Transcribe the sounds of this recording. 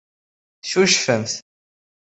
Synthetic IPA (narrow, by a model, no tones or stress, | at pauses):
θʃuʃfəmθ